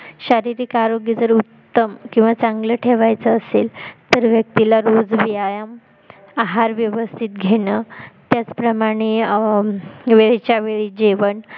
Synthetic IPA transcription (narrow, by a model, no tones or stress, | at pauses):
ɕaɾiɾikaɾoɡid͡zəɾut̪ːəmkĩw̃ʋat͡saŋɡləʈʰeʋajt͡səːselt̪əɾʋjək̚t̪ilaɾod͡zʋiajam | aɦaɾʋjəʋəst̪ʰit̪ɡʱeɽət̪jat͡spɾəmaɽ̃e | ʋeɭet͡ɕjaʋeɭiːd͡ʑeʋəɳ